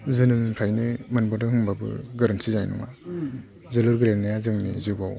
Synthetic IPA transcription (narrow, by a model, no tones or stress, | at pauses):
zɯnɯŋkʰajnimɯnbɔdɯhɯŋbabɯ̰ɡaɾantsizajnṵŋa̰ | zɯlɯɾɡɯɾelnajazɯŋnizuɡaw